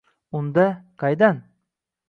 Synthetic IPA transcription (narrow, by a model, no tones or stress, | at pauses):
ʊnd̪aqʰɑjd̪an